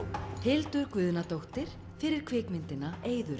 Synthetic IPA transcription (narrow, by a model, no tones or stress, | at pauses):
hɪlt̪ʏɾkvʏːðnat̪owht̪ɪɾ̥ | fɪɾɪɾ̥kʰvɪːkmɪnt̪ɪnaeːjðʏɾ